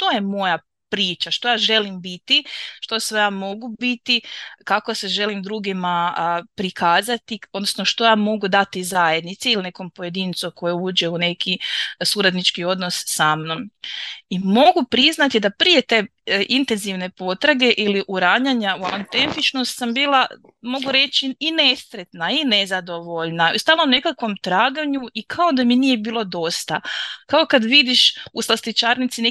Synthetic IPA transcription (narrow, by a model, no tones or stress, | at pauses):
t̪o̞je̞mo̞ja | pɾiːt͡ʃaʃt̪o̞jaːʒe̞limbit̪iʃt̪o̞sʋejaːmo̞ɡubit̪ikako̞se̞ʒe̞limd̪ɾuːɡimapɾikʰaːzat̪iod̪nosnoʃt̪o̞jaːmo̞ɡud̪at̪izaje̞d̪nit̪seiline̞ko̞mpoje̞d̪int̪soko̞jeuːd͡ʒe̞une̞kʰisuɾad̪nit͡ʃkio̞d̪nosːamno̞mimo̞ɡupɾiznat̪id̪apɾijet̪e̞ | ʔint̪e̞nziʋne̞po̞t̪ɾaɡe̞ʔiliʔuɾaɲaɲaua̰nt̪e̞nt̪it͡ʃno̞st̪sambiːlˠa | mo̞ɡuɾe̞t͡ʃiːne̞st̪ɾet̪naine̞zad̪o̞ʋo̞ʎnaust̪aːlˠaune̞kakʋo̞mt̪ɾaːɡaɲuʔikʰaod̪aminije̞biːlˠo̞d̪o̞st̪a̰kaokad̪ʋid̪iʃuslast̪it͡ʃaːɾnit̪sine